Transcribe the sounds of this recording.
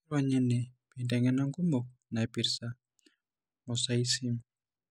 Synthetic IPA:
ɾaɲɛ˦nɛ˨pindɛ˨ŋɛ˦na˦ŋɡu˦mo˨k̚na˨pi˨ɾsa | ɔ˨saisi˦m

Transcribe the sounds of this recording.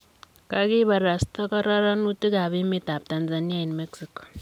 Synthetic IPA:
kaki˦ba˨ɾa˨sta˦kɔ˦ɾa˦ɾa˦nu˦ti˦ka˨bi˦mi˦ta˨p̚ta˨nzani˦a˦i˨nmeksi˦kɔ̥

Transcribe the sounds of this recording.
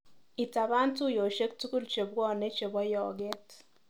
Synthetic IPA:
i˨ta˨βa˦ntu˦jo˨ʃe˦k̚tu˦ku˦ɾt͡ʃe˨bwɔ˦ne˦t͡ʃe˨bwɔ˦jɔ˨ɡe˦t

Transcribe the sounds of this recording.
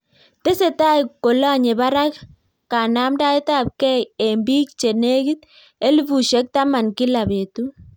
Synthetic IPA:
te˦se˨ta˦i˨kːo˨lo˦a˨ɲe˨ba˦ɾa˦k | kːa˨na˦mda˦i˦ta˦˨p̚kɛ˦je˨mbi˦k̚t͡ʃe˨ne˦ɡi˦t̪ | e˦li˦bu˨ʃɛ˦k̚ta˦ma˨nki˦la˨be˨tu˦

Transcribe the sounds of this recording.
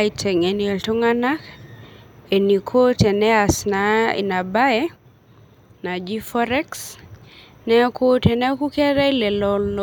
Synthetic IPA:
aitʰɛ˨ŋe˨nie˨ltu˦ŋanak | eni˨kʰo˦tɛ˨nɛasnaḭ˨na˨baɛ | na˨d͡ʒifɔɾɛ˦ks | nɛ˦ko˦tɛnɛ˦ku˦kɛ˦ɾa˦i˦lɛ˨lɔlː

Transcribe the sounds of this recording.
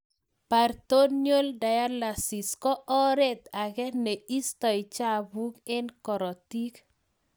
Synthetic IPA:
pa˨ɾt̪o˦nɲjo˦lda˨ja˦la˨si˨skɔ˦ʔɔ˦ɾe˦t̪a˨ɡɛ˦ne˨i˦st̪ɔ˨ɪ˨t͡ʃa˦bu˦kɪ˦nkɔ˨ɾɔ˨ti˦k

